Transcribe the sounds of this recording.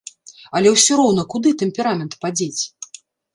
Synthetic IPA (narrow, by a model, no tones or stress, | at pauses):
ɐlʲɛwsʲɔɾɔwnɐkud̪ɨt̪ɛmʲpʲɛɾamʲɛnt̪pad͡zʲet͡sʲ